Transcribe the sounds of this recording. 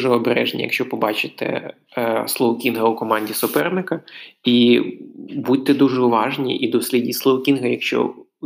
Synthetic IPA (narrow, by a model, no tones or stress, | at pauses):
ʒɛɔbɾɛ̰ʒnʲḭjɐkʃt͡ʃɔpɔbɑt͡ʃɪt̪ɛ̰ | slˠɔʋɔkʲinɦɐʊkɔmɑnʲdʲisʊpɛrnɪkɐi | but̚ʲt̪ːɛd̪uʒɛʊʋɑʒnʲḭʔid̪ɔsʲlʲidʲislˠɔʋɔkʲinɦɐjɐkʃt͡ʃɔ̰